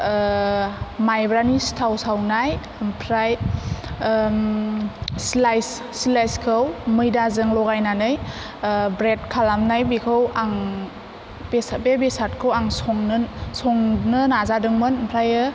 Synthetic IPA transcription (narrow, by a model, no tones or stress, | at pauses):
majbɾanistʰawsawnaj | mpʰɾaj | slajsː | lajskʰɯwmɯjdazɯŋlɔɡajnanɯj | bɾed̚kʰalamnajbikʰɯwaŋ | besbebesatkʰɯwaŋsɔŋnɯsɔŋnɯnazadɯŋmɯnmpʰɾajɯ